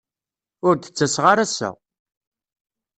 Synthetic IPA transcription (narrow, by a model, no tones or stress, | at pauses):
ʊɾθə̥t͡sːæsʁaɾæsə̰ʁ